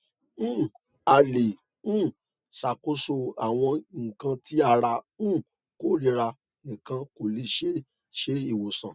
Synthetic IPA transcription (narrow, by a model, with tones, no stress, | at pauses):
ñ̩ː˦˨ | a˧le˨ | ñ̩ː˦˨ | sa˨ko˧so˧a˨w̃ɔ̃˧ŋ̩˨kã˧ti˦a˧˨ɾa˧nũ˦˨ | ko˦ɾi˨˧ɾa˧ | nĩ˨kã˧ko˨le˧ʃe˦ | ʃe˦i˨wo˨sã̰˨